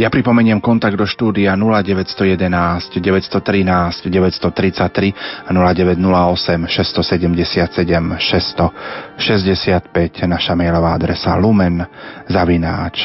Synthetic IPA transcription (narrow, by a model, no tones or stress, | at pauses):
japɾipɔmɛɲɪɛmkɔnt̪aɡ̚d̪ɔʃt̪uːd̪ianulaɟɛʋɛcst̪ɔjɛd̪ɛnaːscɟɛʋɛcst̪ɔt̪ɾinaːscɟɛʋɛcst̪ɔt̪ɾit͡sac̚t̪ːɾianulaɟɛʋɛɟnulaɔsɛmʃɛst̪ɔsɛɟɛmɟɛsɪat̪sɛɟɛmʃɛst̪ɔʃɛzɟɛsɪat̪pɛcnaʃamɛjlɔʋaad̪ɾɛsa̰lumɛnzaʋinaːt͡ʃ